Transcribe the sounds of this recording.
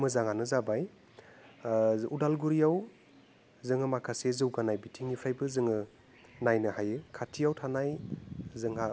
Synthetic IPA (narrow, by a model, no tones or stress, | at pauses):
mɯzaŋanɯzabaj | udalɡuɾijaw | zɯŋɯmakʰasezɯwɡanajbitʰiŋipʰajbɯzɯŋɯ | najnɯhajɯkʰatʰijawtʰanajzɯŋɦa